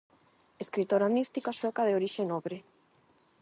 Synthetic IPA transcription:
eskɾit̪oɾamist̪ikaʃwɛkaðeoɾiʃenɔβɾe

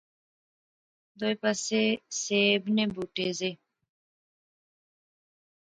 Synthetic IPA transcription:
d̪ojpaseseːbnebuʈeze

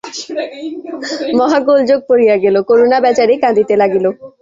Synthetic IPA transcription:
mɔɦaɡold͡ʑoɡ̚poɾijaɡelokoɾonabɛt͡ɕaɾekãd̪it̪elaɡilo

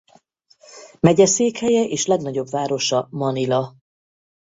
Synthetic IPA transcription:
mɛɟɛseːkhɛjɛʔeːʃlɛɡnɒɟo̞bvaːɾo̞ʃɒmɒnilɒ

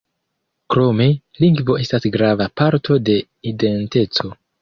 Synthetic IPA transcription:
kɾo̞me̞ | liŋɡvo̞ʔe̞stasɡɾavapaɾtʰo̞de̞ | ide̞nte̞t͡so̞

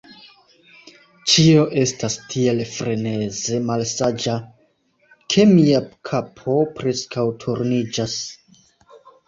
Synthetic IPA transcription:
t͡ʃio̞ʔe̞stastʰie̞lfɾe̞ne̞ze̞malsad͡ʒa | kʰe̞miakʰapʰo̞pɾe̞skawtʰuɾnid͡ʒas

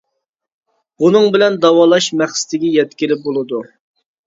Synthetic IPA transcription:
unɨŋbɪlɛnd̪ɑwɑlˠɑʃmɛχsɪ̥t̪ʰɪɡʲɛjɛt̪kʲɪlɪp̚bolˠɨd̪u

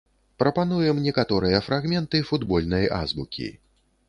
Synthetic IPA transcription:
pɾɐpan̪ujɛmnʲɛkat̪ɔɾɨjɐfɾaɣmʲɛnt̪ɨfud̪bɔlʲnɐja̰zbukʲḭ

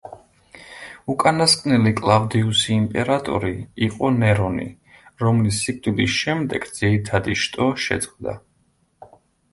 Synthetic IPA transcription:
ukʼanaskʼnɛlikʼlˠavd̪iusiːmpʼɛɾat̪ʼɔ̰ɾiiqʼɔnɛɾɔnḭ | ɾɔmlisːikʼd̪ʼilisʃɛmd̪ɛ̰ɡ̥d̪z̥iɾit̪ʰad̪iʃt̪ʼɔʃɛ̰d̪sʼχvd̪a̰

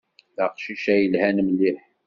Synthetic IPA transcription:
ðæqʃiʃæjəlhænəmliħ

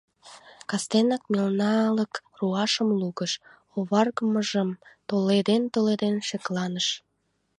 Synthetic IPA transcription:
kɑst̪enɑkmilnɑːləkruɑʃəmluɣəʃ | oβɑrɣəməʒəmt̪oled̪ent̪oled̪enʃeklɑnəʃ

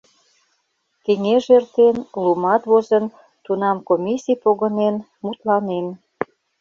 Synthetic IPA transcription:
keŋeʒert̪enlumɑt̪βozən | t̪unɑmkomʲisʲijpoɣənen | mut̪lɑnen

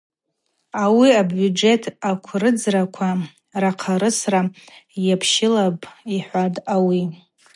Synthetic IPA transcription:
awiabud͡ʒe̞tʰakʷʰrɨd͡zrakʷʰa | raqʰaɾɨsrajapʰʃɪlabʼiħʷadʼawi

